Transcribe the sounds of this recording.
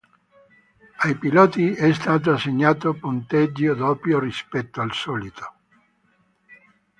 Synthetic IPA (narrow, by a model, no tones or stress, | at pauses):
ajpilɔːt̪iɛst̪aːt̪̬oaseɲːaːt̪opunt̪ɛd͡ʒːod̪ɔːpjorispɛt̪ːoalsɔːlit̪ʰo̥